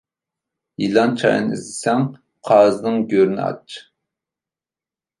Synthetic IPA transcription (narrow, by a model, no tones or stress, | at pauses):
jilˠɑnt͡ʃʰɑ̰j̰nḭzd̪ɪsɛŋ | qʰɑːznɨŋɡʲøɾnɪ̰ɑ̰t͡ʃʰ